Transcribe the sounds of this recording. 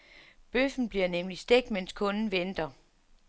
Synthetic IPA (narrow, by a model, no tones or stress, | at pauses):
b̥øfn̩b̥liɐnemlisd̥eɡ̥̚d̥menskʰɔ̽nn̩ʋend̥ɐ